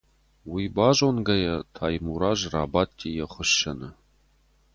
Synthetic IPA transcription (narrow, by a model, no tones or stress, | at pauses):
wibaːʒonɡɐjɐtʰaːjmuɾaːʒra̰ːbaːtʲʰːijɛχʷʊʃːɐnɨ